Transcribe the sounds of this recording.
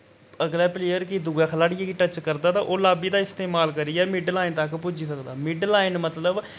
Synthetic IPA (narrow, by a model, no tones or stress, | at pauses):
əɡlɛːpleːəɾkid̪uɡɛːkʰəlaːɽɪɛːkiʈət͡ʃkəɾd̪aːt̪aːʔoːlaːbiːd̪aːɪst̪eːmaːlkəɾiːɛːmɪɖlaːɪnt̪əkpʊd͡ʒiːsəkd̪a̰ːmɪɖlaːɪnmət̪ləb